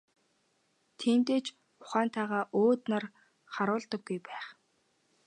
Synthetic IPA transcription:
t̪ʰent̪eːt͡ɕ | ʊχæːnt̪ʰaːʁaːʔoːt̪nar | χaɾʊːɮt̪ə̆ɡːujpæːχ

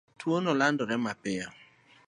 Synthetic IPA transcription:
twonɔlandɔɾɛmapɪa

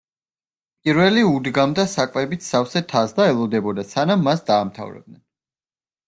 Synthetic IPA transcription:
pʼiɾwɛliud̪ɡamd̪asakʼvɛbit̪ʰsafsɛt̪ʰasd̪aɛlˠɔd̪ɛbɔd̪asanamːasd̪aːmt̪ʰa̰vɾɛ̰b̚d̪nɛn

